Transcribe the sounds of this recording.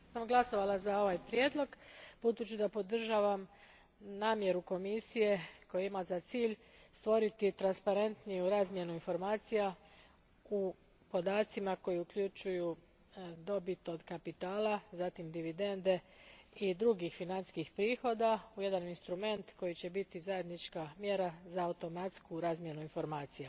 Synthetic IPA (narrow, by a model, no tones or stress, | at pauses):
samɡlˠaso̞ʋalazao̞ʋajpɾje̞d̪lˠo̞ɡpud̪ut͡ɕud̪apo̞d̪r̩ʒaːʋam | naːmje̞ɾuko̞misije̞ko̞juimazat̪siːʎ | st̪ʋo̞ɾit̪it̪ɾanspaɾe̞nt̪nijuɾaːzmje̞nuinfo̞ɾmaːt̪sija | u | po̞d̪aːt̪simako̞jiukʎut͡ʃuju | d̪o̞bit̪o̞d̪kapit̪aːlˠazat̪imd̪iʋid̪e̞nd̪e̞id̪ɾuɡixfinanskixpɾiːxo̞d̪auje̞d̪aninst̪ɾume̞nt̪ko̞jit͡ɕe̞bit̪izaje̞d̪nit͡ʃkamje̞ɾazaːut̪o̞mat̪skuɾaːzmje̞nuinfo̞ɾmaːt̪sija